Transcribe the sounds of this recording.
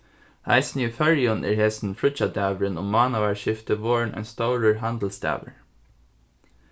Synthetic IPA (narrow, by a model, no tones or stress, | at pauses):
hæ̰ɪsn̩jiːfœɹjʊnʔḛːɹheːsn̩fɹʊçɑd̪æːʋəɹənʊmɑːnɑʋæːɹʃɪft̪əʋoːɹɳʔɛ̰nst̪ɑʊɹəɹɦænd̪l̩sd̪æ̰ːʋə̰ɹ